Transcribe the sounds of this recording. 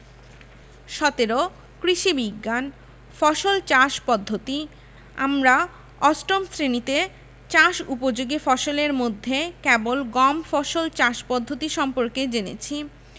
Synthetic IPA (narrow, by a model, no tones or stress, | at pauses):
ʃɔt̪eɾo | kɾiʃibiɡːan | fɔʃolt͡ɕaʃpɔd̪ʱːot̪i | a̰mɾa | ɔsʈomsɾenit̪e | t͡ɕaʃupod͡ʑoɡifɔʃoleɾmod̪ʱːekɛbolɡɔmfɔʃolt͡ɕaʃpɔd̪ʱːot̪iʃɔmpoɾked͡ʑenḛt͡ɕʰi